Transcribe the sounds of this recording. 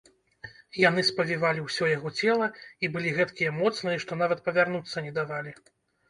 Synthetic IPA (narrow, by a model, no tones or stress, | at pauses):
janɨspɐvʲivalʲiwsʲɔjaɣɔt͡sʲɛlˠɐibɨlʲiɣɛt̪kʲijɐmɔt̪snɨjʂt̪ɔn̪avɐt̪̚pɐvʲarnut̪sːɐnʲɛd̪avalʲi